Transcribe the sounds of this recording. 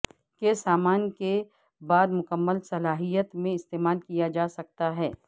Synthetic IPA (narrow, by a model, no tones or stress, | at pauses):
kesaːmaːnke | baːd̪mʊkəmːəlsɐlaːɦijət̪mẽɪst̪eːmaːlkijad͡ʒaːsɐk̚t̪aɦɛː